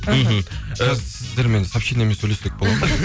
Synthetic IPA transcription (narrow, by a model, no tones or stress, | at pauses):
m̩ɦ̩zsɪzd̪e̞ɾme̞nsɑpʃinemesːɵjlesek̚bo̞lˠɑd̪